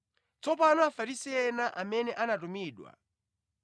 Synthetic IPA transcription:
t͡sɔp̬anɔafaɾisiɛnaʔamɛnɛʔanatumiːɗwa̰

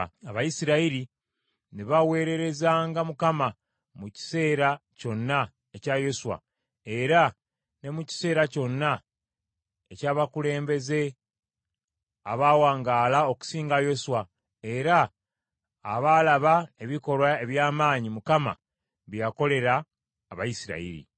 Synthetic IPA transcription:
aβajisiɾaiɾi | neβawe̞ːɾe̞ɾe̞zaːŋɡamukama | muci̥se̞ːɾaco̞nːa | ecajo̞suwa̰ | e̞ɾa | ne̞muci̥se̞ːɾaco̞nːa | ecaːβakule̞ːmbe̞ze̞ | aβaːwaːŋɡaːlao̞ku̥siːŋɡajo̞suwa | e̞ɾaː | βalaβae̞βiko̞lwae̞βjaːmaːɲimukama̰ | βjjako̞le̞ɾaː | βajisiɾa̰ḭɾḭ

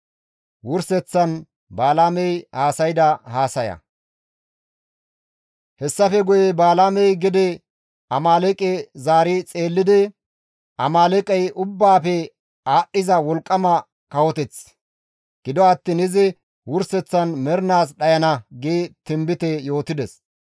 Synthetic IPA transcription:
wʊɾsɛt͡sːɐn | baːlaːmɛjhaːsɐjd̪ɐhaːsɐjɐ̰ | hɛsːɐfɛɡʊjɛbaːlaːmɛjɡɪd̪ɛ | ɐmaːlɛkʼɛzaːɾɪt͡sʼeːlːɪd̪ɪ | ʔɐmaːlɛkʼɛjʔʊbːaːpɛ | aːɗːɪzɐwɔlkʼːɐmɐ | kɐwɔt̪ɛt͡s | ɡ̥ɪd̪ɔɐt̪ːiːnɪzɪ | wʊɾsɛt͡sːɐnmɛɾɪnaːs̬ɗɐjɐnɐɡeːt̪ɪmbɪt̪ɛjo̞ːt̪ɪd̪ɛs

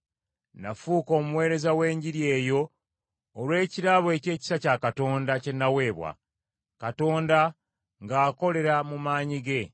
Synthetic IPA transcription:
nafuːkoːmuwe̞ːɾe̞zawe̞ːɲɟiɾje̞ːjo̞ː | lwe̞ːciɾaβoe̞ce̞ːci̥sacakato̞ːndace̞nːawe̞ːβwa̰ | kato̞ːnda | ŋɡaːko̞le̞ɾamumaːɲiɡe̞

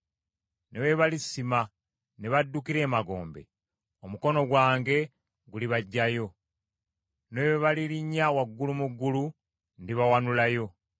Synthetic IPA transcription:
neweβalisːima | neβadːukiɾe̞ːmaɡo̞̰ːmbe̞̰ | omuko̞no̞ɡwaːŋɡe̞ | ɡuliβaɟːajo̞ | neweβaliɾiɲːawaɡːulumuɡːulu | ndiβawanulajo̞

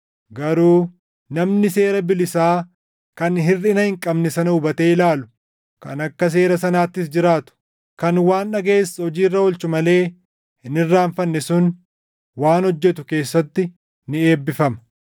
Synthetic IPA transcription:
ɡɐɾuː | nɐmnɪse̞ːɾɐbɪlɪsaː | kɐnɦɪrːɪnɐhɪŋkʼɐbnɛsɐnɐʊbɐt̪eːɪlaːlʊ̥ | kɐ̰nɐkːɐs̬e̞ːɾɐsɐnaːt̪ːɪsd͡ʒɪɾaːt̪ʊ̥ | kɐnwaːnᶑɐɡe̞ːshɔd͡ʒiːrːɐwɔlt͡ʃʊmɐle̞ː | hɪnɪrːaːɱfɐnːɛsʊn | waːnhɔd͡ʒːɛt̪ʊke̞ːsːɐt̪ːɪ | nɪeːbːɪfɐmɐ̥

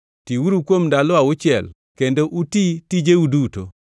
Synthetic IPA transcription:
tiwuɾukwomdaloawot͡ʃjɛ̰l | kendoʔutitid͡ʒeuduto̰

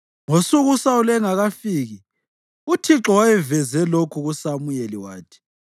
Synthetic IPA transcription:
ŋosuɣusaulɛŋaɣafiːɣi | utʰiǁɔwajɛvɛzɛlokʰuɣusamujeliwaːtʰi̥

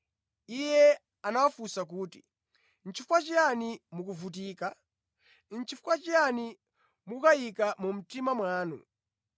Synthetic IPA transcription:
ijɛ | anawafusak̬uːti | n̩t͡ʃifukwat͡ʃianimukuvut̬iːka | n̩t͡ʃifu̥kwat͡ʃiani | mukajikamum̩timamwaːnṵ

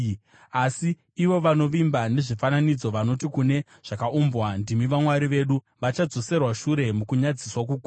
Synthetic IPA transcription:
asiː | ʋo̞ʋano̞ʋimbane̞ʐifananid͡zo̞ʋano̞tikune̞ | ʐ̥akaʔumbwandimiʋamwaɾiʋe̞ɗu | ʋat͡ʃad͡zo̞se̞rwaʃuɾe̞mukuɲad͡ziswak̬uku

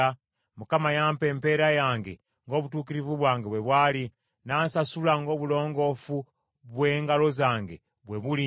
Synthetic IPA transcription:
a | mukamajaːmpe̞ːmpe̞ɾajaːŋɡe̞̰ | ŋɡo̞ːβutuːk̬iɾivuβwaːŋɡeβwe̞βwaːli | naːnsasulaŋɡo̞ːβulo̞ːŋɡo̞fu | βwe̞ːŋɡalo̞zaːŋɡe̞̰ | βwe̞βuli

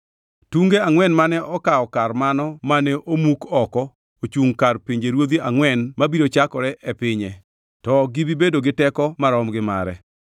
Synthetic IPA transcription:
tuŋɡeaŋwɛnmanɛʔɔkaɔkarmanɔmanɛʔomukɔkɔ | ot͡ʃuŋkarpiɲd͡ʒeɾwod̪iaŋwɛnmabiɾot͡ʃakɔɾɛʔɛpɪɲɛ | tɔɡibibedoɡɪtɛkɔmaɾɔmɡɪma̰ɾɛ̰

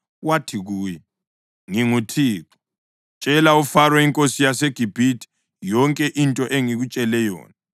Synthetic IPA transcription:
watʰiɣuːjɛ | ŋiŋutʰiːǁɔ̥ | t͡ʃʼɛlaufarwaiŋkʼosijaseɡ̥ʱib̥ʱitʰʼi̥ | jɔŋkʼɛʔintʼɔʔeŋiɣut͡ʃʼɛlɛjɔ̰ːna

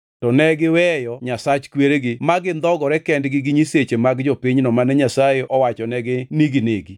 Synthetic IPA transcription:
tɔnɛɡɪwɛjɔɲasat͡ʃkweɾeɡɪmaɡɪnd̪ɔɡɔɾɛkɛndɡɪɡɪɲiset͡ʃemaɡd͡ʒopiɲnɔmanɛɲasajeʔɔwat͡ʃɔnɛɡɪniɡineɡi

